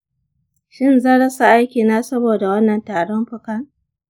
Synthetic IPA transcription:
ʃɪ˦nzɐ˦ɽɐ˦sa˨ʔa˦jkʲiː˨naː˦sɐ˦boː˨da˨wɐ˦nːɐ˨ntaː˨ɽɔ˦mɸʊ˦kɐ˦ŋ

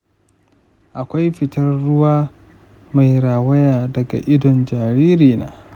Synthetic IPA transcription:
ʔa˨kʷa˦jɸɪ˨tɐ˦rːʊ˦waː˦ | ma˨jɾaː˨wɐ˦jaː˨dɐ˨ɡa̰˨ʔɪ˦dɔ˨nd͡ʒaː˨ɾiː˦ɾiː˨na̰ː˦

